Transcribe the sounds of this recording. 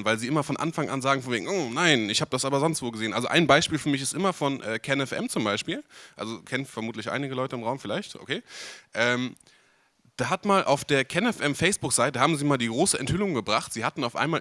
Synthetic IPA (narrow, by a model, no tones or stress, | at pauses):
nvaɪlziːʔɪmɐfɔnʔa̰nfaŋʔa̰nzaːɡŋ̩fɔnveːɡŋ̩ʔonaɪnɪçhaːbəd̥asʔaːbɐzɔnstv̥oːɡəzeːənʔa̰lzo̰ʔa̰ɪnbaɪʃpiːlfyːɐmɪç̬ɪstʔɪmɐfɔnʔɛːkʰɛnɛfʔɛ̰mt͡sʊmbaɪʃpiːlʔa̰lzokʰɛnənfɛɐmuːtlɪçʔa̰ɪnɪɡəlɔʏtəɪmʁaʊmfɪlaɪçtʔo̰kʰeːʔɛːm | d̥aːɦatmaːlʔa̰ʊfd̥eːɐkʰɛnɛfʔɛmfɛɪsb̥ʊkz̥aɪtəɦaːbm̩ziːmaːldiːɡʁoːsəʔɛ̰nthʏlʊŋɡəbʁaχtz̥iːhatn̩aʊfʔa̰ɪnmaːl